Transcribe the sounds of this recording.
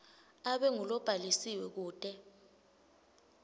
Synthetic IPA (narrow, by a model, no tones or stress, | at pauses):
aɓɛŋulɔb̥ʱalisiwɛk̬uːtʼɛ